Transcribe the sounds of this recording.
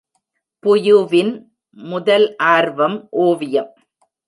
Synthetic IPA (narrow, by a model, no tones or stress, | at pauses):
pʊjɯʋɪn | mʊðɐlʔaːɾʋɐmʔoːʋɪjɐm